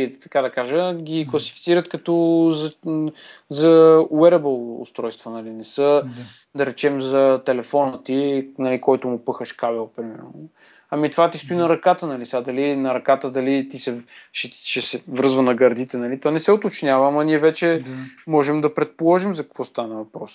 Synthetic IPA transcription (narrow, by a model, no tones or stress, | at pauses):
it̪ɐkad̪ɐkaʒəɡʲiklˠɐsi̥fi̥t̪siɾət̪kɐt̪ɔzɐ | zɐwɛɾɛbəlˠʊ̰st̪ɾɔjst̪vonɐlinɛsɤ | d̪ɐɾɛt͡ʃɛmzɐt̪ɛlɛfɔnət̪inɐlikɔjt̪ʊmʊpɤxəʃkabɛlˠpɾimɛ̰ɾnʊ | ɐmit̪ovat̪ist̪ʊinɐɾɐkat̪ənɐlisad̪ɐlinɐɾɐkat̪əd̪ɐlit̪isɛʃɛʃɛsɛvɾɤzvənɐɡɐɾd̪it̪ɛnɐlit̪onɛsɛʊt̪ot͡ʃnʲjavəmɐniɛvɛt͡ʃɛmɔʒɛmd̪ɐpɾɛt̪̚polˠɔʒimzɐkɐ̥kvɔst̪anɐvɐpɾɔs